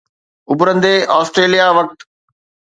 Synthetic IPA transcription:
ʊbʊɾə̃n̆d̪eːʔɔːsʈɾeːlijaʋɐk̚t̪

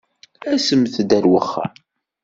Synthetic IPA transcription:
æsəmθd̪æɾwəχːa̰

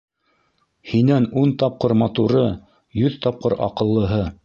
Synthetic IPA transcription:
hinænunt̪ɑp̚qɤɾmɑt̪uɾɤ | jɵðt̪ɑp̚qɤɾɑ̰qɤ̆lˠːɤ̆ɦɤ

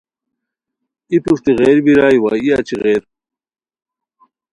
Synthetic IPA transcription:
it̪uʂt̪iɣeːɾbiɾaːjwaːiɐt͡ɕʰiɣeːɾ

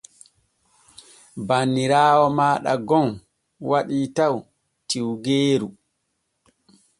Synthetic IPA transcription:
banːiɾaːwɔmaːɗa̰ɡɔn | waɗitaw | tiwɡeːɾu

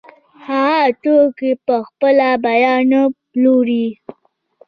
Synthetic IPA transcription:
haɑt̪okepəxpəlabajɑno | loɾi

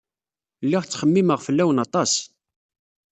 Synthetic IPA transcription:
lːiʁt͡sːχəmːiməʁfəlːæwənɑt̪ˤɑs

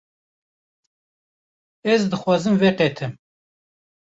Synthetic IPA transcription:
ɛzd̪ɨxwɑːzɨmvɛqet̪ʰɨm

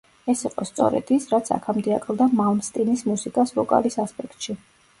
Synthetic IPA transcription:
ɛsiqʼɔst̪sʼɔ̰ɾɛ̰d̪̥isɾat̪sʰa̰kʰamd̪ɛakʰlˠd̪amalˠmst̪ʼinismusikʼasvɔkʼa̰lisaspʼɛk̚ʰt̪ʼʃi

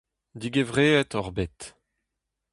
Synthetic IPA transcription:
d̪iɡevʁeːɛt̪ɔʁbet̪

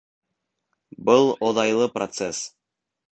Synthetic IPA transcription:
bɤlˠoðɑjlˠɤprot̪ses

